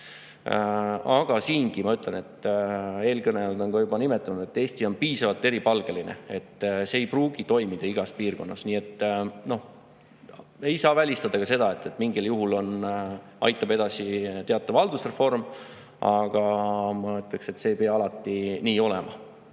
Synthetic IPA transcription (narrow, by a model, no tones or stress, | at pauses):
ɑɡ̥ɑsiːnɡ̥imɑyt̪lene̞t̪ːˑe̞ːlkɤneɑld̪o̞nkɑjubɑnime̞t̪ːˑunud̪̥et̪ːe̞ːst̪io̞npiːsɑvɑlt̪ːˑe̞ɾipɑlɡ̥e̞line̞̰e̞t̪ːˑseːjpruːɡ̥it̪o̞jmid̪̥ɑiɡ̥ɑspiːrko̞nːɑsniːet̪ːno̞h | e̞jsɑːvælʲist̪ɑd̪̥ɑkɑse̞d̪̥ɑe̞t̪ːˑe̞t̪ːˑmiŋɡ̥iljuɦulo̞n | ʔɑ̰jt̪ːˑɑb̥e̞d̪ɑsit̪e̞ɑt̪ːˑɑvɑld̪̥usre̞fo̞rm | ʔɑɡ̥ɑmɑøt̪ːˑlekse̞t̪se̞ːpeɑɑlɑt̪ˑːiniːo̞lɛmɑ̰